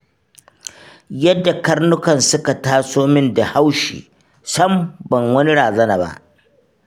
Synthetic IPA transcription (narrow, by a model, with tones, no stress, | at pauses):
jɐ˦dːa˨kɐ˦rnʊ˦kɐ˨nsʊ˦ka˨taː˦soː˦mɪ˦nda˨ha˦wʃḭː˨ | sɐ˦mbɐ˨ŋwɐ˦ni˦ɽaː˨zɐ˦naː˨ba̰˦ʔ